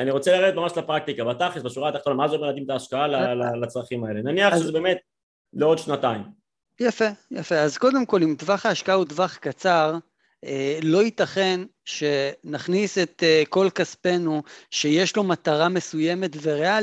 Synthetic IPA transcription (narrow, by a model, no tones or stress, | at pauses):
aniʁo̞t͡selaʁeet̪mamaʃlapʁak̚t̪ikabat̪aχesbaʃuʁat̪aχt̪onamazeomead̪imt̪aːʃkaalalalat͡sʁaχimaelenaniaχʃezebeːmet̪̚ | leo̞d̪ʃnat̪aim | jafejafe̞azko̞d̪e̞mko̞limtvaχaːʃkaaut̪vaχkat͡saʁ | elo̞it̪aχe̞nʃe̞naχnise̞t̪eko̞lkaspe̞nuʃe̞je̞ʃlo̞mat̪aʁame̞suje̞me̞tve̞ʁea